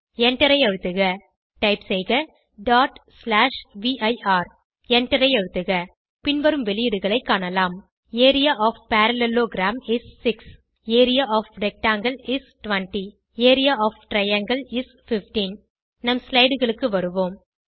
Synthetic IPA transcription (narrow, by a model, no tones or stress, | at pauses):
ɛɳʈɐɾɐɪɐɻɯt̪ːɯɣɐ | ʈɐɪpsɛjɣɐ | ɖaːʈslaːʂʋiːʔɐɪʔaːɾ | ɛɳʈɐɾɐɪɐɻɯt̪ːɯɣɐ | pɪnʋɐɾɯmʋɛlɪjɪɽɯɣɐɭɐɪkːaːɳɐlaːm | eːɾɪjaːʔɔːfpaːɾɐlɛloːɡɾaːmɪsːɪks | eːɾɪjaːʔɔːfɖɛk̚ʈaːŋɡɐlɪsʈʋɐɳʈi | eːɾɪjaːʔɔːfʈɾɐjɐŋɡɐlɪs | fɪfʈiːn | nɐmslɐɪɽɯɣɐɭɯkːɯʋɐɾɯʋoːm